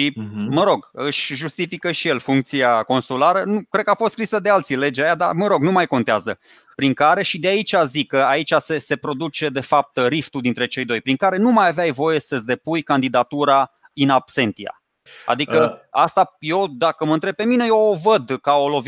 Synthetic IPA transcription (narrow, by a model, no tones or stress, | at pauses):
ʃiməɾo̞ɡɨʃʲʒust̪ifikəʃije̞lfuŋkt̪siako̞nsulaɾənukɾe̞d̪̚kafo̞st̪skɾisəd̪ealt̪sile̞d͡ʒajad̪a̰məɾo̞ɡnumajko̞nt̪eazə | pɾiŋkaɾe̞ʃid̪eait͡ʃʲazikəait͡ʃʲasese̞pɾo̞d̪ut͡ʃe̞d̪e̞fap̚t̪ɾift̪uld̪int̪ɾe̞t͡ʃe̞jd̪o̞jpɾiŋkaɾe̞numajaveajvo̞je̞səzd̪e̞pujkand̪id̪at̪uɾa | inabse̞nt̪ia̰ | a̰d̪ikəast̪aje̞wd̪akəməɨnt̪ɾe̞b̚pe̞mine̞jeovəd̪kaolo̞v